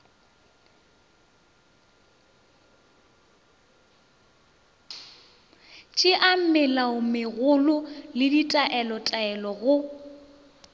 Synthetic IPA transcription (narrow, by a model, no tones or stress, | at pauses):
t͡ʃʼɪʔam̩mɪlaʊmɪɣʊlʊlɪditʼaʔɛlɔtʼaɛlɔɣʊ